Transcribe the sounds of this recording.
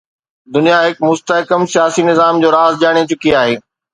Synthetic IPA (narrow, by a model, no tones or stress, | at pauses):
d̪ʊnijaɦɪkmʊst̪əɦɪkəmsijaːsinɪzaːmd͡ʑoːɾaːzd͡ʑaːɽ̃et͡ɕʊkiaːɦeː